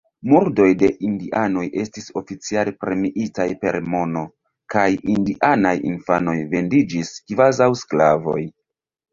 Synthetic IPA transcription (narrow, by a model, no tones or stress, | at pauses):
muɾdo̞jde̞ʔindiʔano̞je̞stiso̞fit͡sialepɾe̞miʔitajpe̞̰ɾmo̞no̞ | kajindiʔanajḭnfano̞jve̞ndid͡ʒiskvazawsklavo̞j